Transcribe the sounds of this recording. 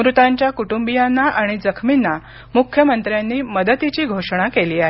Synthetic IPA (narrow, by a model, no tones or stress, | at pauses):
ɾut̪aɲt͡ɕjakuʈumbijanːaʔaɽ̃id͡zəkʰminːa | mukʰjəmənt̪ɾjanːiːməd̪ət̪it͡ɕiːɡʱoʂɽ̃akeliːaɦe